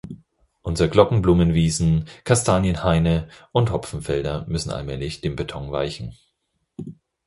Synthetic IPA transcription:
ʔʊnzəəɡlɔkŋ̩bluːmənviːzn̩kʰaɐstʰaːnjənhaɪnəʔʊnthɔfn̩fɛldɐmʏsn̩a̰lmɛːlɪçd̥eːmbetʰɔŋva̰ɪçn̩

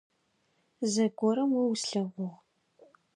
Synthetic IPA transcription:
zɐɡʷɔɾɐmwɐwsɬɐʁʷʊʁ

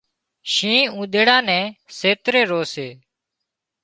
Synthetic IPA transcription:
ʃĩːũːɗ̪eːɽãːnɛ̃ːseːt̪ɾeːɾoːseː

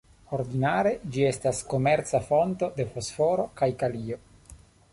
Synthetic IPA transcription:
o̞ɾdinaɾe̞d͡ʒie̞stasko̞me̞ɾt͡safo̞nto̞de̞fo̞sfo̞ɾo̞kajkalio

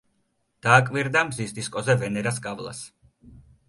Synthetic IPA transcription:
d̪̥aːkʼviɾd̪amzisd̪iskʼɔzɛvɛnɛɾaskʼavlˠa̰s

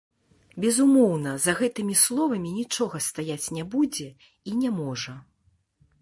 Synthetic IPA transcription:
bʲɛzumɔwnɐzɐɣɛt̪ɨmʲislˠɔvɐmʲinʲit͡ʂɔɣɐst̪ajat͡sʲnʲɛbud͡zʲɛ | inʲɛmɔʐɐ

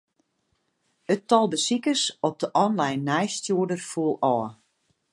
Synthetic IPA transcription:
ətɔlˠdəsikəsɔp̚dəʔɔnlɛjnːɛjstjuədərfuəlˠɔːə

